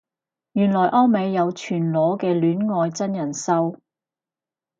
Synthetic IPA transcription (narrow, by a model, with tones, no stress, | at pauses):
jyː˨˩nlɔː˨˩jʔɔː˥me˨˧jːɐ˨˧wt͡ʃʰyː˨˩nlɔː˨˥kɛː˧lyː˨˥nŋɔː˧jt͡sɐ˥njɐ˨˩nsɐ˥w